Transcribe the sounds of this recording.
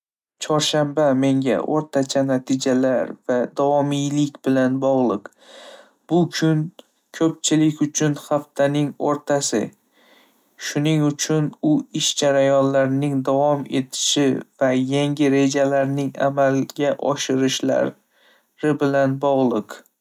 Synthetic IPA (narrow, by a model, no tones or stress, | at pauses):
t͡ʃʰɒɾʃambame̞ŋɡʲa̰ʔo̰ɾt̪ʰat͡ʃʰanat̪ʰɪd͡ʒalaɾvad̪ɒvɒmijlɪkʲbɪlanbɒʁlˠɨq | b̥ʊkʲʰʊn | kʲʰɵpt͡ʃʰɪlɪkʲʊt͡ʃʰʊnhaft̪ʰanɪŋoɾt̪ʰasɪ̰ | ʃʊnɪŋʊt͡ʃʰʊnʊɪʃd͡ʒaɾajɒnlaɾnɪŋd̪avɒme̞t̪ʰɪ̥ʃɪvajaŋɡʲɪɾe̞d͡ʒalaɾnɪŋa̰malɡʲaʔɒ̰ʃɪɾɪʃla̰ɾ | ɾɪbɪlanbɒʁlˠɨq